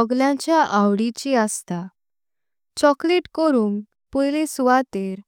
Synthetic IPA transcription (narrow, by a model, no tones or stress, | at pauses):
ɔɡljãɲt͡ɕjaʔawɽit͡ɕiast̪a | t͡ɕɔkleʈkɔɾũːŋɡ | pɔjlesuʋat̪eɾ